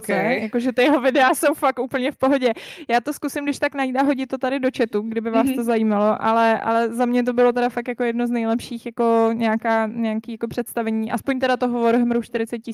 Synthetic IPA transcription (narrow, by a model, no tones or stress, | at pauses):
kɛjako̞ʒɛt̪ɪjɛɦovɪdɛaso̞wfaktʔuːpl̩ɲɛfpoɦo̞ɟɛjaːt̪o̞skusɪmdɪʃt̪aknajit̪aɦo̞ɟɪt̪ːot̪adɪdo̞t͡ʃɛt̪uɡdɪbɪvaːst̪ozajiːmalo̞ʔalɛʔa̰lɛzamɲɛt̪̬o̞bɪlo̞t̪ɛdafakjako̞jɛdnoznɛjlɛpʃiːxjako̞ɲɛakaːɲɛakiːjako̞pr̝̥ɛt̪st̪avɛɲiːʔaspoɲt̪ɛdat̪oɦovoɾoɦmɾuʃt̪ɪɾɪt͡sɛt̪̚cɪ